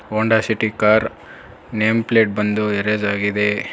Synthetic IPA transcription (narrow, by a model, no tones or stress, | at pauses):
oːɳɖasiʈikaːɾ | neːmpleːʈ̚bɐnd̪ueɾed͡ʒaːɡid̪e